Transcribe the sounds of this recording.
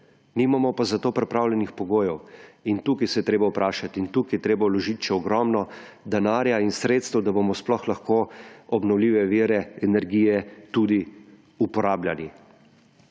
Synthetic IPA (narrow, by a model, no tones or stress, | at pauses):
niːmamɔpazat̪oːpɾɛpɾaːwlʲɛnixpɔɡoːjɛwint̪uːkisɛjɛt̪ɾeːbaupɾaːʃat̪iint̪uːkijɛt̪ɾeːbawlɔʒit̪ʃɛɔɡɾɔmnɔ | d̪ɛnaːɾjainsɾeːt̪st̪ɛwd̪abomɔsplɔxlaxkoɔbnɔwlʲiːʋɛʋiːɾɛɛnɛɾɡiːjɛt̪ud̪i | upɔɾaːbljali